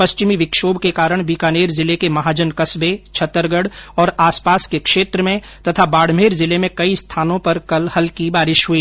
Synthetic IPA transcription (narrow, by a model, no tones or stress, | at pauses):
pɐst͡ʃɪmiʋɪkʃoːbkekaːɾəɽ̃ʋiːkaːneːɾzɪlekemɐɦaːd͡ʒənkɐsbet͡ʃʰɐt̪əɾɡəɽɔːɾaːspaːskekʃeːt̪ɾəmẽ | t̪ɐt̪ʰabaːɽ̤meːɾzɪlemẽkɐist̪ʰaːnõpɐɾkɐlhɐlkibaːɾɪʃɦʊiː